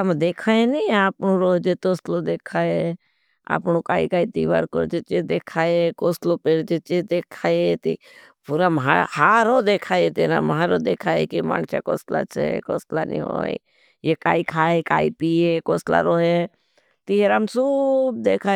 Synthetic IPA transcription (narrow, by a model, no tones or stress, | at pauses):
əmd̪eːkʰaeniaːpnoɾoːɦd͡ʒet̪oːslod̪eːkʰaːe | a̰ːpnokaːḭkaːit̪iːʋa̰ːɾko̰ɾd͡ʒet͡ʃed̪eːkʰaːekoːslopeːɾd͡ʒet͡ʃed̪eːkʰaːet̪ḭ | puɾamɦahaːɾod̪eːkʰaːet̪eɾa̰mɦaɾod̪eːkʰaːḛkimã̰ːɡt͡ʃa̰ko̰ːsla̰sḛko̰ːsla̰nḭ̃ɦo̰ḛ | jekaːikʰaːekaːipiekoːsla̰ɾoːɦe | t̪iɦeɾamsub̚d̪eːkʰaː